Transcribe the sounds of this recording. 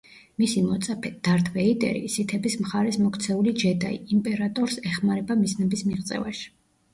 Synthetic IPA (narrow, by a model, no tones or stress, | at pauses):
misimɔt̪sʼapʰɛd̪̥aɾt̪ʰvɛit̪ʼɛ̰ɾḭsit̪ʰɛbismχaɾɛsmɔkʰt̪sʰɛulid͡ʒɛd̪a̰ḭːmpʼɛɾat̪ʼɔɾsɛχmaɾɛbamiznɛbismiʁt̪sʼɛ̰va̰ʃi̥